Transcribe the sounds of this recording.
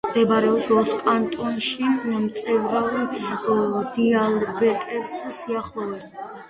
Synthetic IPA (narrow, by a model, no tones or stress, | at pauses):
md̪̥ɛbaɾɛɔpsɔskʼant̪ʼɔnʃimt̪sʼɛvɾav | d̪ialbɛt̪ʼɛpssiaχlˠɔvɛs